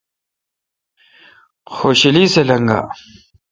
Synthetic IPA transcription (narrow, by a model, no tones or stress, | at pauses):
xoɕiliselɐŋɡa̰ː